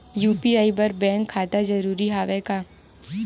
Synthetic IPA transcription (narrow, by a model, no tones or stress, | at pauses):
juːpiaːibɐɾbɛ̃ːŋkʰːaːt̪ad͡ʒɐɾuːɾiɦaːʋɛkaː